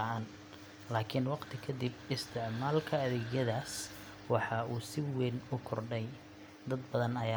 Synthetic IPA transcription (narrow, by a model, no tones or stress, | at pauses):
aʔɐn | laːkʰɪnwɑqt̪ʰɪkʰɐd̪ɪbɪst̪ʰɪʕmaːlkʰɐːðɛːɡjɐðaːs | wɑħɑʔuːsɪwɛnʊkʰɔrɖɛj | d̪ɐd̪̚bɐðɐnɐjaː